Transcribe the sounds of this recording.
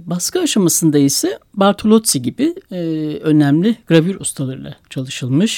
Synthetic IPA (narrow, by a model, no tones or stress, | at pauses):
baskʰɯaʃamasɯnd̪aisɛbaɾt̪ʰolʲˠo̞t̪siɟibɪ | ø̞næmlʲiɡ̥ɾavyɾust̪ʰalˠaɾɯlˠa̰t͡ʃʰalˠɯʃɯlˠmɯʃ